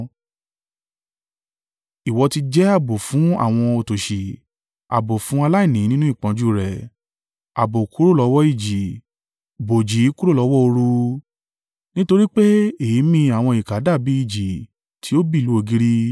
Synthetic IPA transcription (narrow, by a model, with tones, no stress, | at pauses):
i˨wɔ˧ti˧d͡ʒɛ˦a˦˨bo˨fũ˨˦a̰˦˨w̃ɔ̃˧o˧˨to˨ʃi˨ | a̰˨bo˨fũ˨˦a˧la˦i˦˨nĩ˨˦nĩ˦nũ˦i˦˨k͡pã˨˦d͡ʒu˦˨ɾɛ˨ | a˨bo˨ku˦ɾo˦˨lɔ˨˧˦wɔ˦i˦˨d͡ʒi˨ | bo˨d͡ʒi˨˦ku˦ɾo˦˨lɔ˨˧˦wɔ˦o˧ɾu˧ | nĩ˦to˧ɾi˦k͡pe˦e˨i˨˦mĩ˧a˨w̃ɔ̃˧i˨ka˨˦da˦˨bi˨˦i˦˨d͡ʒi˨ | tʰi˨˦o˦bi˦˨lu˨˦o˧ɡi˦ɾi˦